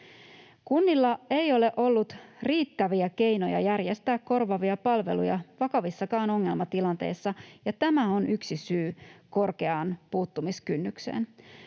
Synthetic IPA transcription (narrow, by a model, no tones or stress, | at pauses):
kunːilːɑe̞jo̞le̞ʔo̞lːut̪riːt̪ːæʋiæke̞jno̞jɑ̰jærje̞st̪æːkko̞rʋɑʋiɑpɑlʋe̞̰lṵjɑʋɑkɑʋisːɑkɑːno̞ŋːe̞lmɑt̪ilɑnt̪e̞̰ːsːɑjɑt̪æmæo̞nʔyksisyːko̞rke̞ɑːnpuːt̪ːumiskynːykse̞̰ːn